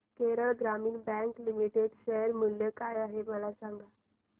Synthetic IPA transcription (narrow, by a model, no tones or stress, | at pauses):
keɾəɭɡɾamiːnbɛ̃ŋklimiʈeɖɕeɦəɾmuljəkajaɦeməlasaŋɡa